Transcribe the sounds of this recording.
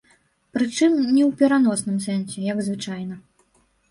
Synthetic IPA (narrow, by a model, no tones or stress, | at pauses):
pɾɨt͡ʂɨmnʲɛwpʲɛɾan̪ɔsnɨmsɛnsʲɛjɐɡzvɨt͡ʂajnɐ